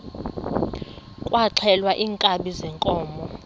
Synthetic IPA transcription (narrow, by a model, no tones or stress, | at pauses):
kʼwaǁʰɛlwaʔiːŋkʼaɓizɛŋkʼɔːmɔ